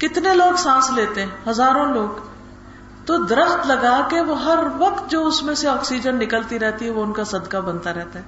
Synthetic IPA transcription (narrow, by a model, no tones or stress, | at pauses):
kɪt̪neloːɡsãːsleːt̪eɦɛ̃ɦɐzaːɾõloːɡ | t̪od̪ɾəxt̪lɐɡakeʋoɦɐɾʋɐqt̪̚d͡ʒoːʊsmẽseɔːksid͡ʒənːɪkəlt̪iɾɛɦt̪iɦɛʋoʊnkasɐd̪kabɐnt̪aɾɛɦt̪aɦɛː